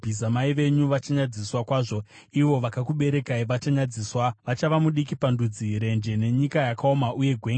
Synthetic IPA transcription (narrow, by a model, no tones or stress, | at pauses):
bʱizamaiʋe̞ɲuʋat͡ʃaɲad͡ziswakwaːʐo̞ | iʋo̞ʋakakuɓe̞ɾe̞kaiʋat͡ʃaɲad͡ziːswaʋat͡ʃaʋamuɗikipandud͡ziɾe̞nd͡ʒe̞ne̞ɲikajakao̞maʔuje̞ɡʱwe̞ːŋɡ